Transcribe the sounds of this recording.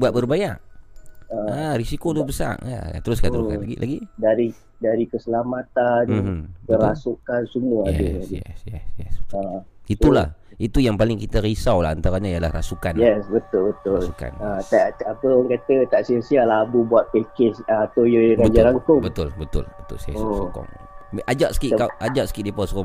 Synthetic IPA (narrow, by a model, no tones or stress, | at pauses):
buat̪̚bərbajaʔ | əarisikodʊbəsa̰ʔa̰a̰t̪əɾʊs̬kant̪əɾuska̰nlaɡḭlʔa̰ɡidaɾi | daɾikəsəlamat̪anm̩kəɾasukansumuajɛiajɛ̰sjɛ̰sjɛ̰sait̪ula̰h | it̪ujaŋpalɪŋkit̪aɾisawla̰ant̪aɾaɲaijala̰hra̰sukanjɛsbət̪ʊlbət̪ʊluka̰nat̪aʔapəɔŋkat̪ət̪aʔsiasialabubuat̪̚pekɪsat̪ojəɡabəd͡ʒaɾaŋkʊŋbət̪ʊlbət̪ʊ̰lbət̪ʊ̰lsakɔ̰ŋ | mʔad͡ʒaʔsə̥kiʔkaʔad͡ʒaʔsə̥kiʔdipɔskɔm